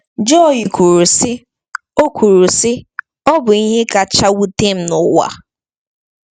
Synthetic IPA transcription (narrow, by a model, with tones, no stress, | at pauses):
d͡ʒɔ˦˨i˨kʰu˨ɾu˨sɪ˦ | o˦kʷʰu˨ɾu˨sɪ˦ | ɔ˦bʊ˨i˦ɦɪ˦ka˨t͡ʃa˦wu˦te˦m̩˨nʊ˨wa̰˦